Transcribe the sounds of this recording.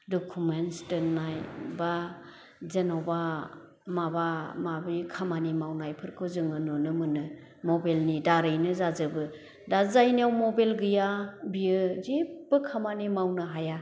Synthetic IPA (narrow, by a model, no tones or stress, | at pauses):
dɔkʰumensdɯnajba | zenawba | mabamabikʰamanimawnajpʰɯɾkʰɯzɯŋɯnonɯmɯnɯ | mɔbelnidaɾɯjnɯzazɯbɯ | dazajniawmobelɡɯjabiɯzib̥ɯkʰamanimawnɯɦaja